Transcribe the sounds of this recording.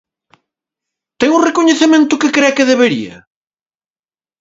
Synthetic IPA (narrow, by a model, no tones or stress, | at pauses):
t̪ɛŋʊrekoɲeθemẽnt̪ʊkɪkɾɛkɪðeβeɾḭɐ̰